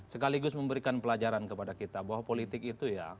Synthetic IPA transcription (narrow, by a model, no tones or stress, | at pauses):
səkaliɡʊsməmbəɾikanpəlad͡ʒaɾankəpadakit̪abawapolit̪ɪkit̪uja